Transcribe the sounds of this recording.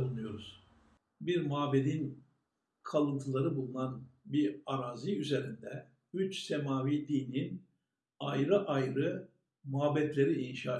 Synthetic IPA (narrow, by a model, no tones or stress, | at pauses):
lˠunujo̞ɾuz̥ | biɾmuabed̪in | kʰalˠɯnt̪ʰɯlˠaɾɯbulˠunanbiɾaɾaːziyze̞ɾind̪ɛ | yt͡ʃsemaːvid̪iːnin | ajɾɯʔajɾɯ | maːbɛt̪lʲe̞ɾiinʃaː